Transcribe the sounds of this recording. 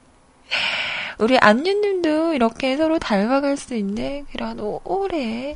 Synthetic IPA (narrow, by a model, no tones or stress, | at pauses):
uɾiʔaɲːinːimdoiɾʌkʰe̞sʰʌɾotaɭbaɡaɭs͈uinːekɯɾanooɾe